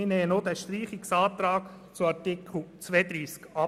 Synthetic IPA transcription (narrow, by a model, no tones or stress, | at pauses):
ɪnɛːənod̪ɛʃtɾiːχɪksɑːt̪ɾɑːk | t͡suɑtɪkʰl̩t͡sʋeːd̪ɾiːskɑ